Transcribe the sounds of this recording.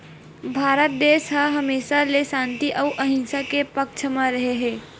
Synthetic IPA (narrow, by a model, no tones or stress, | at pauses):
bʱaːɾət̪̚d̪eːʃɦaɦɐmeːʃalesãːnt̪iʔəʊʔɐɦɪ̃nsakepəkt͡ʃʰəmãɾɐɦeɦɛ̃ː